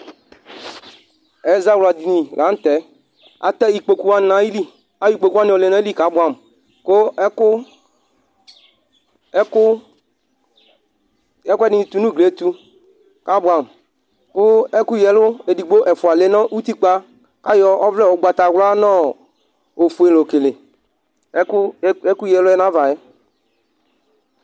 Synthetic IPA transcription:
ɛ˨˦za˦wla˨d̪i˨nĩ˨lʔa˨˦n̩˦t̪ɛ˨˦ | a̰˨t̪ɛ˦i˨k͡po˨ku˦a˦nã˨i˦li˦ | a˦i˦k͡po˨ku˦a˦nĩ˦ɔ˨le˨nã˦i˦li˦˨ka˦bwa˨m | ko˦kʊ˦ | kʊ˦ | ɛ˦kʊ˦ɛ˦nɪ̃˦i˨t̪u˨nũ˦ɡle˨˦t̪u˦ | ka˨˦bʊ˨a˨m˨ | kʊ˦ɛ˦ku˦jɛ˨lʊ˦e˨di˨ɡ͡bo˦ʔɛ˨fu˨a˨le˦nɔ̃˦ʔu˦t̪i˦k͡pa˦ | ka˦jɔ˦ɔ˦vlɛ˦˨wɔ˨ɡ͡ba˨t̪a˨ɡla˦nɔ˦ | o˨fu˨e˨lo˨ke˨le˨˦ | ɛ˦ku˦jɛ˨lʊ˦ɛ˦nã˦va˨e˦

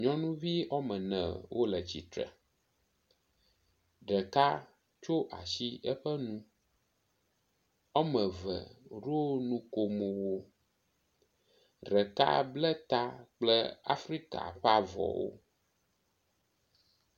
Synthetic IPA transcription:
ɲɔ̃˦nũ˦vi˦ɔ˦mɛ̃˨nɛ̃˨wʔo˦lɛ˨t͡ɕi˨t̪ɾə̰˨ | ɖɛ˨ka˦ | t͡ʃo˦ʔa˨ʃi˦ɛ˦ɸɛ˦nũ˦ | ɔ˦mə̃˨və̰˨ɾo˦nũ˦ko˨mo˨wo˦ | ɖɛ˨ka̰˦blɛ˦t̪a˦k͡plɛ˦a̰˦fɾi˦ka̰˨ɸa˦vɔ̰˨wo̰˦

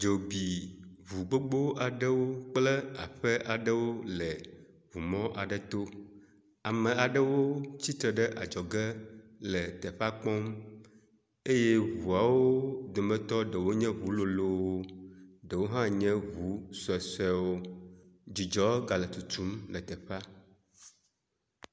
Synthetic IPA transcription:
d͡ʒo˨bi˨βu˨ɡ͡bo˦ɡ͡bo˦a˨ɖə˦wo˦k͡plɛ˦a̰˨ɸə˦ʔa˨ɖə˦wo˦lə˨ | vu˨mɔ̃˦ʔa˨ɖə˦t̪o˦ | a˨mə̃˨a˨ɖə˦wo˦t͡ɕi˦t̪ɾə˨ɖə˦ʔa̰˨d͡ʒɔ˨ɡɛ˦lə˨t̪ɛ˨ɸa˦k͡pɔ̃˦m | e˦je˦βu˨a˨wo˦d̪o˨mɛ̃˦t̪ɔ˦ɖə˨wo˦ɲɛ̃˦βu˨˦lo˨lo˦wo˦ɖə˨wo˦ɦã˦ɲɛ̃˦βu˨˦sɛ˨sɛ˦wo˦ | d͡ʑi˨d͡ʒɔ˦ɡa˨lə˨t̪u˨t̪u˦mlə˨t̪ɛ˨ɸa˦

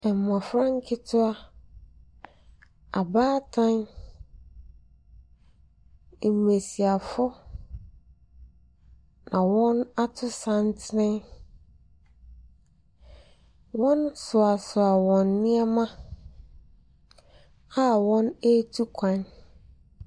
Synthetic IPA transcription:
ɛ˨m˨mã˨fɾã˦ŋ̩˦kʰɪ˦tʰʊ˦a˦ | a˨baː˦tʰã˦n˨ | m̩˨me˨si˨a˨fʊ˦ | nã˨wɔ̃˦na˦tʰʊ˦sã˦ntʰɪ˦nɪ̃˦n | wɔ̃˦nsʊ˨a˨sʊ˨a˨wɔ̃˨nːĩ˦ɛ˦mã˦ | a˦wɔ̃˦ne˦tʰu˦kʷʰã˦n

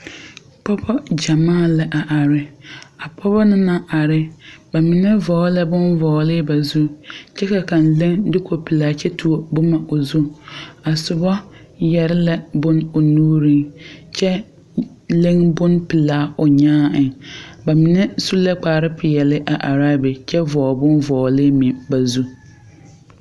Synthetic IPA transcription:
pɔ˦bɔ˦d͡ʒa˨maː˦˨lɛ˨ʔa˨ʔa˨ɾɪ˦a˨pʰɔ˦βɔ˦nɪ˦na˦ʔa˨ɾɪ˦ba˨mi˨nɛ˦vɔː˨˦lɛ˦bʊ˦nvɔː˨lɪ˦ba˨zu˦t͡ʃɛ˦ka˨ka˨nle˦ŋdɪ˦ko˨pi˨laː˨˦t͡ʃɛ˦tʰu˨o˨bʊ˦ma˨ʔo˨zu˦a˨sʊ˨bɔ˦ | jɛ˨ɾɪ˦lɛ˦bʊ˦nʊ˨nuː˦ɾĩ˦ŋt͡ʃɛ˦ | le˦ŋbʊ˦npɪ˨laː˨˦ʊ˨ɲaː˦ɪ˨ba˨mi˨nɛ˦su˦lɛ˦k͡paː˨ɾɪ˦pʰɪ˨jɛ˨lɪ˦ʔa˨ʔa˨ɾa˦bɪ˨t͡ʃɛ˦vɔː˨bʊ˦nvɔː˨lɪ˦mɪ˨ba˨zu˦

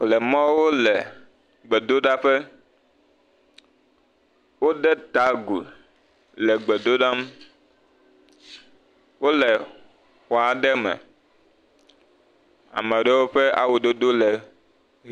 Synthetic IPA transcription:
lɛ˨mɔ̃˦wo˦lɛ˨ | ɡ͡bɛ˨d̪o˦ɖa˦ɸɛ˦ | wo˦ɖɛ˦t̪a˨˦ɡu˨ | lɛ˨ɡ͡bɛ˨d̪o˦ɖa˦m˦ | wo˦lɛ˨ | xɔ˨a˨ɖɛ˦mɛ̰̃˨ | a̰˨mɛ˨ɖe˦wo˦ɸe˦a̰˦wo˨d̪o˦d̪o˦lɛ˨˦

